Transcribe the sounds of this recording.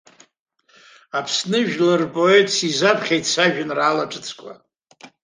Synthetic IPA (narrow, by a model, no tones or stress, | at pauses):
apʰsnɨʒᶣlɨrpʼoetʼsizapʰχʲejt͡sʰaʒᶣɪnraːlaʈ͡ʂʼɨt͡sʼʰkʷʼʰa̰